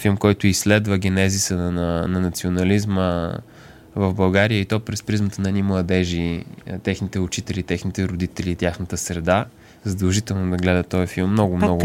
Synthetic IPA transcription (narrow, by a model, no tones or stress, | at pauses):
filˠmkɔjt̪ʊisːlɛd̪vəɡʲɛnɛzisənnənɐnɐt̪sionɐlizmə | vəvbɐlˠɡaɾijəit̪ɔpɾɛspɾizmət̪ənɐnimlˠɐd̪ɛʒit̪ɛxnit̪ɛʊt͡ʃit̪ɛlit̪ɛxnit̪ɛɾʊd̪it̪ɛliːt̪ʲjaxnət̪əsɾɛd̪a | zɐd̪ɐlˠʒit̪ɛlˠnʊd̪ɐɡlɛd̪ɐt̪ɔjfilˠmːnɔɡʊmnɔɡʊ